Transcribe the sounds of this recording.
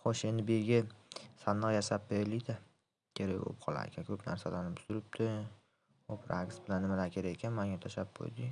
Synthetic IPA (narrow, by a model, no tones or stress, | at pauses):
χɒʃe̞nd̪ɪbe̞ɡʲɪsanɨʁjasap̚beɾlɪjd̪ɪ | kʲʰeɾajo̰p̚qʰɒlˠa̰ɾḛkʲʰankʰɵpna̰ɾsalaɾnɪpʰʊ̥sʊɾɪp̚t̪ʰɪ | opʰɾakʲsbɪlanːɪmalaɾkʲʰe̞ɾaɡekʲʰanmaŋʲat̪ʰaʃap̚qʰo̰jd̪ɪ